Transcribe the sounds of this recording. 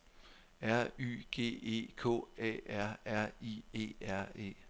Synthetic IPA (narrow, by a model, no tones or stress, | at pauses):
æɐ̰y̰ːɡ̥e̝̰ːe̝̰ːkʰo̰̽ːɛ̰æɐ̰æɐ̰ie̝̰ːæɐ̰e̝̰ː